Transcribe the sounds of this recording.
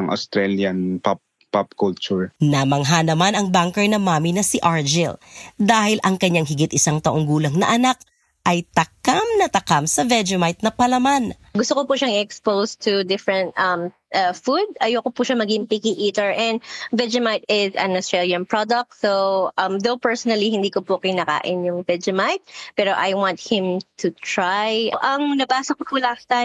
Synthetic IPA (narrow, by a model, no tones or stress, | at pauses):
ŋʔɐ̰st̪ɾɛljɐnpap̚ | papkult͡ʃʊɹnɐmɐŋɦanɐmanɐŋbaŋkɛɹnɐmaːminɐsiʔaɹd͡ʒɪld̪aːhɪlʔɐŋkɐɲːaŋɦɪɡɪt̪̚ɪsaŋt̪ɐʔo̞ŋɡuːlɐŋnɐ̰ʔɐnak̚ | ʔɐjt̪ɐkamnɐt̪ɐkamsɐvɛd͡ʒɪmajt̪̚nɐpɐlɐman | ɡʊst̪okopuʃaŋɪɛkspowst̪ʰud̪ɪfɹɛ̃nt̪ʔɐm | ʔɐfud̪̚ɐjokopuʃɐmɐɡɪŋpikiʔiːt̪ɛɹʔɛnd̪vɛd͡ʒɛmajt̪ɪzɐ̰nɐst̪ɹɛljɐnpɹɔd̪ɐk̚t̪sowʔɐmðowpɛɹsonɐlihɪnd̪iːkopʊkɪjnaka̰ːʔɪnjʊŋvɛd͡ʒɛmajt̪̚pɛːɾoʔajwɑnt̪̚hɪ̃mt̪ʰut̪ɹajʔɐŋnɐbaːsokopulakt̪a